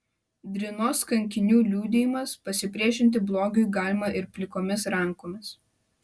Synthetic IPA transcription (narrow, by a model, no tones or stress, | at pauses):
d̪ʲɾʲɪnoːskɐŋʲkʲɪnʲuːlʲuːd̪ʲejɪmɐspɐsʲɪpʲɾʲiɛʃʲɪnʲt̪ʲɪblˠoːɡʲʊɡɑːlʲɪmɑʔɪɾpʲlʲɪkoːmʲɪsɾɐŋˑkoːmʲɪs